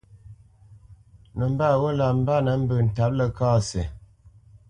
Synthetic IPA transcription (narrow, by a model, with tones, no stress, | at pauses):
nə˨m̩˦ba˦˨wo˦la˨m̩˦ba˦nə˨˦m̩˦bə˨n̩˨ta˨˦p̚lə˦kaː˦˨se˨